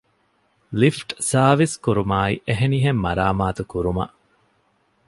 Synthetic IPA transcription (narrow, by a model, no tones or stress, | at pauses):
lifʈsaːʋiskuɾumaːiʔeɦeniɦemːɐɾaːmaːt̪ukuɾumɐ̰ʔ